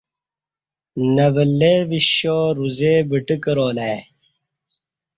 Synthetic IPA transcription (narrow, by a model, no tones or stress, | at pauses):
nɐʋəlːeːʋiɕoːɾuzeːbiʈikəɾoːlae